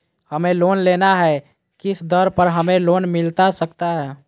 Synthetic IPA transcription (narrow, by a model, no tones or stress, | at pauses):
həmelonlenaɦɛ | kɪsd̪əɾpəɾɦəmeloːnmɪlt̪asəkt̪aɦɛː